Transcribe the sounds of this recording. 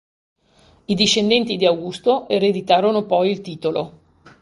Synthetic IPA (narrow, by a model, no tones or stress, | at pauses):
id̪iʃːend̪ɛnt̪id̪iawɡust̪oʔeɾed̪it̪aːɾonopɔjilt̪iːt̪olo